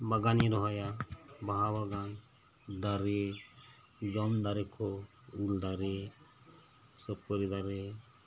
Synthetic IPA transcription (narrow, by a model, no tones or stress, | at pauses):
baɡaniɾɔɦɔjabaɦabaɡan | d̪aɾe | d͡ʒɔmd̪aɾɛkʰɔ | uld̪aɾe | sɔp̚kɔɾid̪aɾɛ